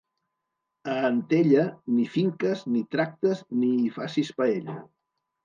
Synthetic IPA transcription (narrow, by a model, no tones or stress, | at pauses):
əːnt̪eʎənifiŋkəznit̪ɾak̚t̪əznifasispəeʎə̰